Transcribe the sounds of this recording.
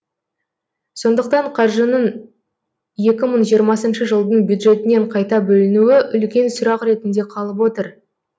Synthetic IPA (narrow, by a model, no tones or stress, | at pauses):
so̞nd̪əq̚t̪ɑɴqʰɑɾʒənəɴ | je̞kʲɪməɴʒijəɾmɑsənʃəʒəlˠd̪əɴbjud̪ʒe̞t̪ɪne̞ɴqʰɑjt̪ɑbɵlɪnuwɪʔʏlkʲe̞nsʊɾɑqɾe̞t̪ɪnd̪e̞qʰɑlˠəp̬wo̞t̪əɾ